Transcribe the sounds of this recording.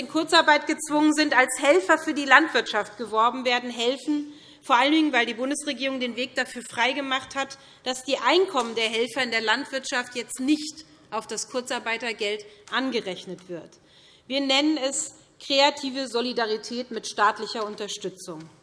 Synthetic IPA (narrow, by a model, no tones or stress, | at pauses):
nkʰʊɐt͡saɐbaɪtɡ̥ət͡sv̥ʊŋənzɪntalshɛlfɐfyːɐdiːlantv̥ɪɐtʃaftɡ̥əvɔɐbm̩veːɐdn̩ɦɛlfn̩ | foːɐʔaləndɪŋənvaɪldiːbʊndəsʁeɡiːʁʊŋdeːnveːk̚d̥afyːɐfʁ̥aɪɡəmaχthat | d̥asd̥iːʔaɪnkʰɔməndeːɐɦɛlfɐɪndeːɐlantv̥ɪɐtʃaftjɛt͡stnɪçt | ʔaʊfd̥askʰʊɐt͡saɐbaɪtɐɡɛltʔanɡəʁɛçnətv̥ɪɐt | viːɐnɛnənɛs | kʁ̥eatʰiːvəzolidaʁitʰɛːtmɪtʃtaːtlɪçɐʊntɐʃtʏt͡sʊŋ